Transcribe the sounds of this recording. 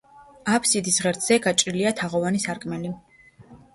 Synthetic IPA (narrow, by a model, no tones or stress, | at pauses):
apʰsid̪isʁɛɾt̪ʰz̥ɛɡat͡ʃʼɾiliat̪ʰaʁɔvanisaɾkʼmɛli